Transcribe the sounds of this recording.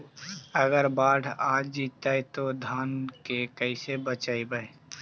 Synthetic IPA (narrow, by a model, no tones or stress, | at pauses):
əɡəɾbaːɖʰʱaːd͡ʒd͡ʒiːt̪aːit̪od̪ʱaːnkekəɪsebət͡ʃaːibəe